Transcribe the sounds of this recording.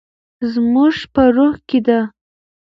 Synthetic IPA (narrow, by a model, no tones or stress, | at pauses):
zmuʒpəɾuhked̪a